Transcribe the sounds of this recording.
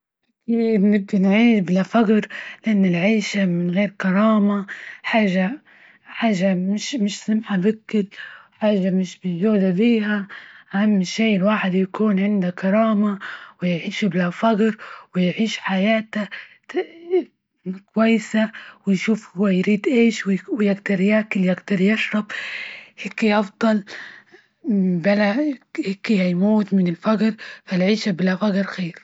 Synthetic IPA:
ʔakiːbnɪb̚d̪anʕiːblafaqɾlʔanːɪlʕaːʃamɪnɣeːɾkɑɾˤɑːmaħaːʒːa | ħaːʒːamɪʃmɪʃsɪmħabɪkːɪlwħaːʒːamɪʃbɪzuːd̪abiːhaʔahamːʃiːɪlwaːħɪd̪jakuːnʕɪnd̪akɑɾˤɑːmawɪjʕiːʃublafɑqɾwɪjʕiːʃħajaːt̪a | kwajːɪsawɪjʃuːfhʊwːajɾiːd̪ʔeːʃwɪwɪjɪɡd̪ɑɾˤjaːkɪljaɡd̪ɑɾjɪʃɾˤɑbheːkːiʔɑfd̪ˤɑl | balaheːkːihajmuːt̪mɪnɪlfaɡɾfalʕiːʃabɪlafaɡɾxeːɾ

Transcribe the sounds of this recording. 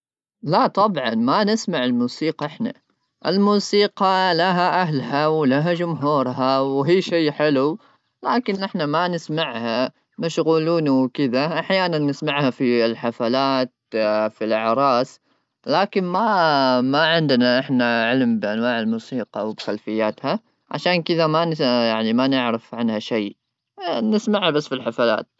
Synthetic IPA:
lat̪ˤɑbʕɑnmanɪsmaʕɪlmuːsiːqɑʔɪħna̰ | ʔɪ̰lmuːsiːqɑlaɦaʔaɦlhawlaɦad͡ʒʊmɦuːɾˤɦawɦiːʃeːħɪlu | laːkɪnʔɪħnamanɪsmaʕha | mɪʃɣuːluːnwkɪðaʔaħjaːnanːɪsmaʕhafilħafalaːt̪̚filʔaʕɾˤɑːs | laːkɪnmamaʕɪnd̪ɪnaʔɪħnaʕɪlmbɪʔanwaːʕɪlmuːsiːqɑwbxalfɪjːaːt̪ha | ʕa̰ʃaːnkɪðamajaʕnimanɪʕɾɪfʕanhaʃaj | nɪsmaʕhabasːfilħafala̰ːt̪̚

